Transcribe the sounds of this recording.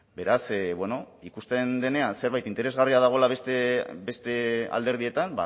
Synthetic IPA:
be̞ɾasβwe̞no̞ | ikust̪e̞nd̪e̞ne̞anse̞ɾβajt̪int̪e̞ɾezɣariað̞aɣ̞o̞laβest̪ebe̞st̪e̞a̰ld̪e̞ɾð̞ie̞t̪amba̰

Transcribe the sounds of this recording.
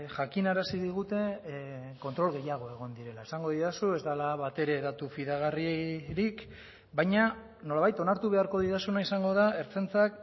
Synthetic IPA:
ʝakinaɾasiðiɣ̞ut̪e̞ | ko̞nt̪ɾo̞lɣe̞jaɣ̞o̞e̞ɣ̞o̞nd̪iɾe̞laesaŋɡo̞ðiðasue̞zd̪alaβat̪e̞ɾe̞ðat̪ufiðaɣ̞arieɾik | bajɲa | no̞laβajt̪o̞naɾt̪uβe̞aɾko̞ðiðasunaisaŋɡo̞ðae̞ɾt͡se̞nt͡sak

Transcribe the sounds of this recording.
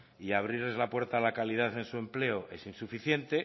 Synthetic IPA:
iaβ̞ɾiɾlezlapwe̞ɾt̪alakalið̞aθe̞nsue̞mple̞oʔe̞sinsufiθje̞nt̪e̞

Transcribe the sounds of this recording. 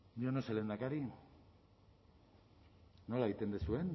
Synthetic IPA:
dionosele̞nd̪akaɾi | o̞laint̪e̞nd̪e̞suen

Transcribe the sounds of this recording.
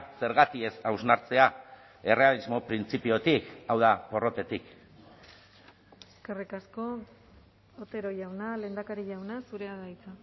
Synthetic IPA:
se̞ɾɣat̪ie̞sawznaɾt͡se̞a | e̞re̞alizmo̞pɾint͡sipio̞t̪ikawðapo̞ro̞t̪e̞t̪ik | eskerikasko̞ | ot̪e̞ɾoʝawnale̞nd̪akaɾiʝawnasuɾe̞aðajt͡sa

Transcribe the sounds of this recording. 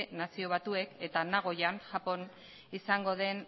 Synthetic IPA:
nasio̞β̞at̪ue̞ke̞t̪anaɣ̞o̞janʝapo̞n | isaŋɡo̞ðe̞n

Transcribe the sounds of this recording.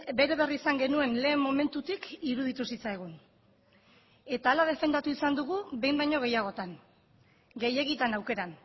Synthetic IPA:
be̞ɾe̞βe̞riːsaŋɡe̞nue̞nle̞ːmːo̞me̞nt̪ut̪ikiɾuð̞it̪usit͡sajɣ̞un | e̞t̪aːlaðe̞fe̞nd̪at̪uisand̪uɣ̞uβe̞jmbajɲo̞ɣ̞e̞jaɣ̞o̞t̪an | ɡe̞je̞ɣit̪anawke̞ɾan

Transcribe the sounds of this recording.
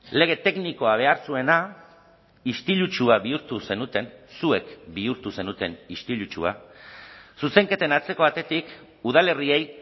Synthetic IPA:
le̞ɣ̞e̞t̪e̞kniko̞aβ̞e̞aɾsue̞na | ist̪ilut͡ʃuaβiuɾt̪use̞nut̪e̞nsue̞kbiuɾt̪use̞nut̪e̞nist̪ilut͡ʃua̰ | suse̞ŋke̞t̪e̞nat͡se̞ko̞β̞at̪e̞t̪ik | uð̞ale̞rie̞j

